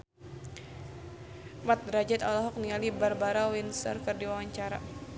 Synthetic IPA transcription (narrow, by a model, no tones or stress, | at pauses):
mat̪̚ɾad͡ʒɛt̪alɔɦɔk̚nialibarbaɾawinsə̰rkɨrdiwawaɲt͡ʃaɾa̰